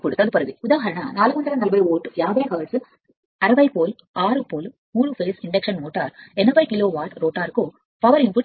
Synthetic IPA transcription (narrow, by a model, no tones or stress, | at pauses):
kɔɽɯt̪ːɐðɯpɐɾɯɣiʊðaːɦɐɾɐna̰ːnaːlɯɣɐnd̪ɐɾɐnɐlbɐjoːʈːɯjaːbɐjkaːɭsɯ | ɐɾɐbɐɪpoːl | aːɾɯpoːl | muːɾɯfɐːsɪɳɖɛkʂɐnmoːʈːaɾɛnɐʋɐɪkɪloːʋaːʈɾoːʈːaːɾkːo | pɐʋɐɾɪmpuʈ